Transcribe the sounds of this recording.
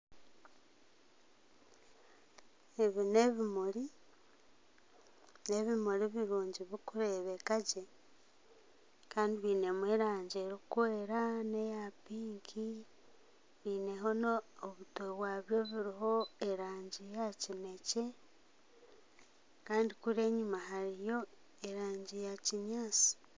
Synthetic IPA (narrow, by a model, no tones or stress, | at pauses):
eβine̞βimuɾi | ne̞βimuɾiβiɾuːɲɟiβikuɾeːβekaɟe | kaːndiβiːne̞mweɾaːɲɟeɾikweːɾane̞japiːŋkʰi | βiːne̞ɦo̞noːβutoβwaːβjo̞βiɾiɦo̞eɾaːɲɟijacime̞ce | kaːndikuɾe̞ːɲumaɦaɾijo̞ | eɾaːɲɟijaciɲaːt͡si̥